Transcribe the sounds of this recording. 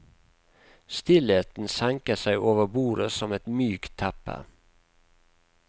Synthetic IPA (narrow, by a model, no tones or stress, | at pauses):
st̪ɪleːt̪n̩sæŋkəsæɪʔoːʋəbuːɾəsɔmɛt̪myːkt̪ʰæpə̰